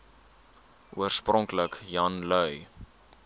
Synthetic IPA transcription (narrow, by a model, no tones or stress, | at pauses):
ʔuərsprɔŋkləkjɐnlœɥ